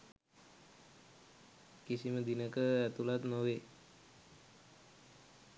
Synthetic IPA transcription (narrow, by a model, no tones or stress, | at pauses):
kisiməd̪inəkəæt̪ulat̪noʋe